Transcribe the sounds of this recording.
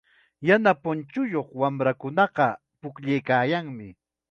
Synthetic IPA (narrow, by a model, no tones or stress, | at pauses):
janapʊnt͡ʃʊjoχwamɾakʊnɑqɑ | pʊkʎejkaːjaŋmɪ